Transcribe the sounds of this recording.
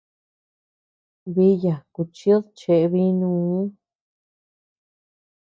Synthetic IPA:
βi˧˦ja˨ku˧˨t͡ʃi˦o˦ðt͡ʃe˧ʔβi˦nũː˧˦

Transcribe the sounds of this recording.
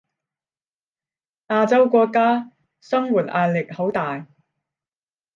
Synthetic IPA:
ʔaː˧t͡sɐ˥wkʷɔː˧kːaː˥ | sɐ˥ŋwuː˨˩t̚ʔaː˧t̚lɪ˨k̚ho˨˥wt̪aː˨j

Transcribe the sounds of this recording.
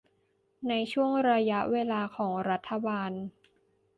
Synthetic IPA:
na˧jt͡ɕʰu˥˩əŋɾa˧ja˦˥ʔweː˧laː˧kʰɔː˩˦ŋɾa˦˥t̪ʰːa˧baː˧n

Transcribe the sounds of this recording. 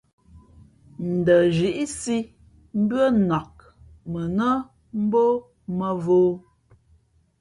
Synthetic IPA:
n̩˨də˨ʒi˨ʔi˦si˦ | m̩˦bɰə˦nɔ˨k̚ | mə˨nə˦ | m̩˦bo˦ | mə˨voː˦

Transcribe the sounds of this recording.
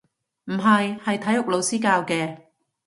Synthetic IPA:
m̩˨˩ɦɐ˨jhɐ˨jt̪ʰɐ˨˥jʊ˨k̚lo˨˧wsiː˥kaː˧wkɛː˧

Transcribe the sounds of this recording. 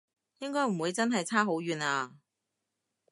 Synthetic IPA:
jɪ˥ŋkɔː˥jm̩˨˩wuː˨˧jt͡sɐ˥nɦɐ˨jt͡sʰaː˥ɦo˨˥wɥyː˨naː˧

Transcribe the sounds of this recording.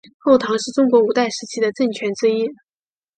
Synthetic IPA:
xo˥˩ʊt̪ʰɑ˧˥ŋʂɻ̩˥˩ʈ͡ʂʊ˥ŋkwɔ˧˥u˨˩t̪a˥˩ɪʂɻ̩˧˥t͡ɕʰi˥d̪ə˨ʈ͡ʂə˥˩ŋt͡ɕʰɥɛ˧˥nt͡swe˥ɪi˥

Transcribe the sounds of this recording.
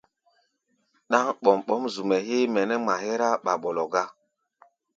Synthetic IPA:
ɗa˦ŋɓɔ˨mɓɔ˦mzu˨mɛ˨he˦mɛ˨nɛ˦ma˨hɛ˦ɾa˦ɓa˨ɓɔ˨lɔ˨ɡa˦

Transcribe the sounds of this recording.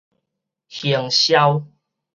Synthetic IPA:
hjə˨˩ŋɕja˦w

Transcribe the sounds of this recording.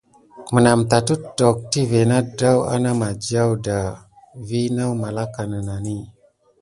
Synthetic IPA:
mə˨na˨mta˨tu˦tdo˨k̚ti˦ve˨na˦da˦wa̰˦na˦ma˨d͡ʒa˦wda˨ | vi˦na˦wma˨la˦ka˨nə˨na˨ni˦˨

